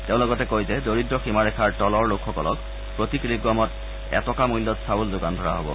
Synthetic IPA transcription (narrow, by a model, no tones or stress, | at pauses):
teʊ̃loɡɔtɛkojzɛdoɹidɹɔximaɾɛkʰaɹʈɔlɔɹlokʰxɔkɔlɔ̰k | pɹotiklip̚ɡɔmɔt | ɛ̰tɔkamujlːɔtsawulzʊɡantʰɔɹa̰ɦo̰bɔ̰